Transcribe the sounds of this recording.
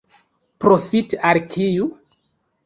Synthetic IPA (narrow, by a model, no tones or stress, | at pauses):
pɾofitalkʰiju